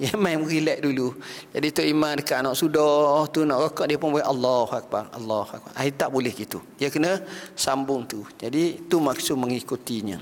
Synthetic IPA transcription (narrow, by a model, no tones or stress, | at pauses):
jamamɣilɛʔdulud͡ʒadit̪oʔimandəkaʔnɔʔsudɔht̪unɔʔrɔkɔʔdiəpʊnbolɛʔalːɔhuak̚barɑ̰lːɔhua̰k̚ba̰rʔahit̪aʔbulɛhɡit̪u | iəkənəsambʊŋt̪ud͡ʒadit̪umaksʊʔməŋikut̪iɲə̰̃